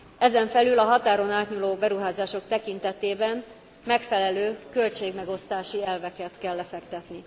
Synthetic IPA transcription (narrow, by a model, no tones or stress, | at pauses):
ɛzɛɱfɛlylɒɦɒt̪aːɾo̞naːt̪ɲuloːbɛɾuɦaːzaːʃo̞kt̪ɛkint̪ɛt̪eːbɛm | mɛkfɛlɛløːkølt͡ʃeːɡmɛɡo̞st̪aːʃiɛlvɛkɛt̪kɛlːɛfɛkt̪ɛt̪ni